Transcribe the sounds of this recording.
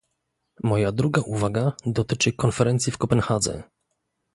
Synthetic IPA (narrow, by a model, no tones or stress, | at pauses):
mɔjad̪ɾuɡaʔuvaɡad̪ɔt̪ɘt͡ʂɘkɔnfɛɾɛnt̪sʲjifkɔpɛnxad̪zɛ̰